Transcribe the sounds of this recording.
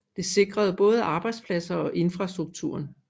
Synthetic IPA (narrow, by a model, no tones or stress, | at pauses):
d̥e̝se̝ɡ̥ʁɐð̞̩ˠb̥ɔ̽ːð̞ˠɑ̈ːb̥ɑ̈ɪd̥spʰlæsɐɒ̽ʔe̝nfʁɑ̈sd̥ʁuɡ̥̚t͡sʰṵːɐn